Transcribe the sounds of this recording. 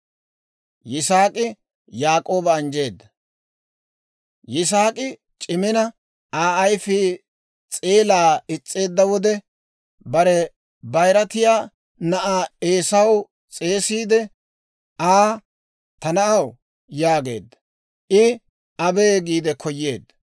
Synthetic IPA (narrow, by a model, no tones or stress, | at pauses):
jɪsaːkʼɪ | jaːkʼo̞ːbɐːnd͡ʒe̞ːd̪ːɐ | jɪs̬aːkʼɪ | t͡ʃʼɪmɪnɐ | aːɐjfɪ | t͡sʼeːlaːɪt͡sʼːe̞ːd̪ːɐwɔd̪ɛ | bɐɾɛ | bɐjɾɐt̪ɪjaː | nɐʔaːe̞ːsɐw | t͡sʼe̞ːsiːd̪ɛ | aː | t̪ɐnɐʔɐw | jaːɡe̞̰ːd̪ːɐ | ʔɪ | ɐbe̞ːɡiːd̪ɛkʰɔjːe̞̰ːd̪ːɐ̥